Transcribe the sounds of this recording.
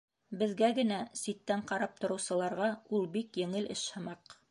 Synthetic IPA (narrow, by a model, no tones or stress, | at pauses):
bɘ̆ðɡæɡɘ̆næsit̪ːæɴqɑɾɑp̚t̪ŏɾɤ̆wsɤ̆lˠɑɾʁɑulˠbikjɘ̆ŋɘlʔɘ̰ʃhɤ̆mɑq